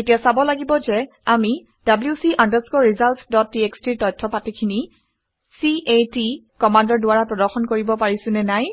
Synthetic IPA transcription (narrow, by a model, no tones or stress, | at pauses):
etijasabɔlaɡibɔzɛami | d̥abljusiʔandaskɔɹizaltsdɔt̚ːiekstiɹtɔjtʰːɔpatikʰini | siʔeti | kɔmandɔɹdʊwaɹapɹɔdɔɹxɔnkoɹibɔpaɹisʊ̃nɛnaj